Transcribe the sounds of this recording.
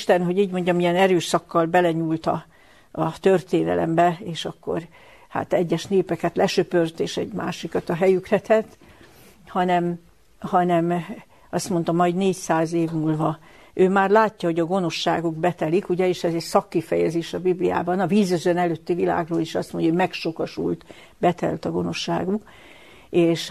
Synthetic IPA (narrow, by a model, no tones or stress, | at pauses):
ʃt̪ɛnɦo̞ɟiːɟmo̞ɲɟɒmijɛnɛɾøːʃsɒkːɒlbɛlɛɲuːlt̪ɒ̰ | ɒt̪ørt̪eːnɛ̰lɛ̰mbɛeːʃɒkːo̰r | ha̰t̪ɛɟːɛʃneːpɛkɛt̪lɛʃøpørt̪eːʃɛɟmaːʃikɒt̪ɒɦɛjykrɛt̪ɛt̪ː | hɒnɛm | hɒnɛm | ɒst̪mo̞nt̪ɒmɒjd̪neːcsaːzeːvmuːlvɒ | ʔøːmaːrlaːcːɒɦo̞ɟɒɡo̞no̞ʃːaːɡuɡbɛt̪ɛlikuɟɛeːʃɛzɛcsɒkːifɛjɛzeːʃɒbiblija̰ːbɒnɒviːzøzønɛløːt̪ːivila̰ːɡroːliʃɒst̪moɲɟɒomɛkʃo̞kɒʃṵlt̪ | bɛt̪ɛ̰lt̪ɒɡo̞no̞ʃːa̰ːɡuk | eːʃ